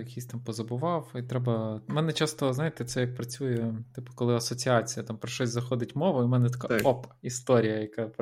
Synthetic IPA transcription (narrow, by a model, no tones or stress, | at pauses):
jɐkʲisʲt̪ɑmpɔzɐbʊʋɑwit̪ɾɛbɐmɛnɛt͡ʃɑst̪ɔznɑjɪt̪ɛt̪sɛjɐk̚pɾɐt͡sʲujɛt̪ɪpʊ̥kɔlˠɪɐsɔt͡sʲiɑt͡sʲijɐt̪ɑmpɾɔʃɔsʲzɐxɔd̪ɪtʲmɔʋʊimɛnɛt̪ɐ̥kaɔpɐ̥ist̪ɔɾʲijɐjɐkɑp